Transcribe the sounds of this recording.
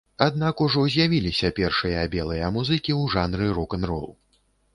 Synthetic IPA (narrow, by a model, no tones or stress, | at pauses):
ad̪̚nakuʐɔzʲjavʲilʲisʲɐpʲɛrʂɨjɐabʲɛlˠɨjɐmuzɨkʲiwʐanɾɨɾɔkɐnrɔ̰lˠ